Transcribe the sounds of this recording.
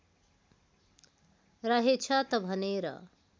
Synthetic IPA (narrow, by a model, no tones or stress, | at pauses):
ɾʌɦet͡ʃʰʌt̪ʌbʱʌneɾʌ̰